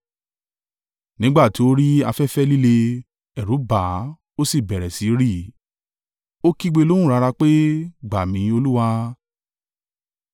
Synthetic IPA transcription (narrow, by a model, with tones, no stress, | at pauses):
nĩ˦ɡ͡ba˦˨ti˨˦o˦ɾi˦a˧fɛ˦fɛ˦li˦le˧ | ɛ˨ɾũ˨˦ba˨˦ | o˦si˦˨bɛ˨ɾɛ˨si˨˦ɾi˦˨ | o˦ki˦ɡ͡be˧lõ˦ũ˦ɾa˧ɾa˧k͡pe˦ɡ͡ba˨mĩ˨˧˦o˧lu˦wa˧